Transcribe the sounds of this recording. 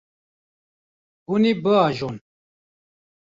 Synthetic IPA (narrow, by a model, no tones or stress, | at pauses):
ɡunibəaʒon